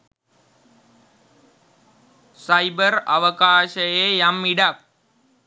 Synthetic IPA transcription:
sajbəɾɐ̰ʋəkaːʃəjeːjamːiɖap̚

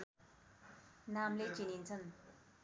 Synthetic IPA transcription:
namlet͡ʃinintʰən

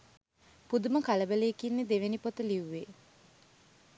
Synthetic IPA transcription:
pud̪uməkaləbəleːkinːed̪eʋenipot̪əliʋːe

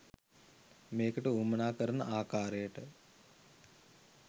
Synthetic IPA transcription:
meːkəʈəuːmənaːkəɾɐnɐ̰ʔaːkaːɾejəʈə

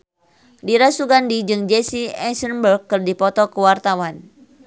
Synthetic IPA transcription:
diɾasuɡandid͡ʒɨŋd͡ʒɛsiɛsərnbərkːɨrdipɔt̪ɔkəwart̪awan

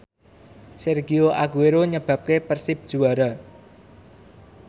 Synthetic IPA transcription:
sɛrɡioʔaɡueɾoɲəb̥ä̤p̚kepərsɪp̚d̥ʒ̥ṳaɾa

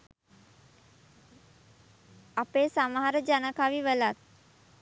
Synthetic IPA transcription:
apeːsamaɦaɾəd͡ʒanəkaʋiʋəlat̪̚

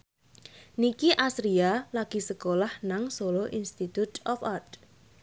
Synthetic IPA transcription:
nikiʔasɾialaɡ̥i̤səkolahnaŋsoloʔinst̪it̪ut̪ɔfart

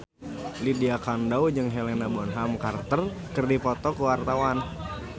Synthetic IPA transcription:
lidiakandaud͡ʒɨŋɦelɛnabɔnɦamkart̪ərkɨrdipɔt̪ɔkuwart̪awan

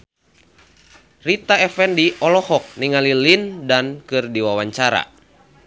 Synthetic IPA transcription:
rit̪aɛfɛndiʔɔlɔhɔk̚niŋalilindankɨrdiwawaɲt͡ʃaɾa̰

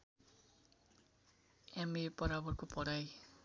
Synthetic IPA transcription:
emepʌɾabʌrkopʌɽaj

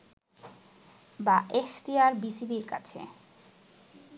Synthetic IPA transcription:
baʔekt̪iaɾbisibiɾka̰t͡ɕʰḛ

